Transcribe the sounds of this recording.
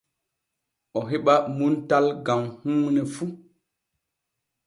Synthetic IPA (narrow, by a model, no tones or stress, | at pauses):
ʔɔɦeɓamuntalɡamhuːnɛfu